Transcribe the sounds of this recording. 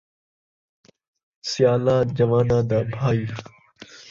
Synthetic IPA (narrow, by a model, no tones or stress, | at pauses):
sɪjaːlãːd͡ʒəʋaːnãːd̪aːbʱaːiː